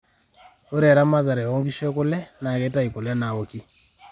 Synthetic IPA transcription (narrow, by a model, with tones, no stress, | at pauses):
o˦ɾɛ˨ɾa˦ma˦za˨ɾɛ˨o˦ŋɡi˦ʃe˦kʊ˦lɛ˦na˨kɛ˦ta˦i˨kʊ˨lɛ˦na˨o˦ki˦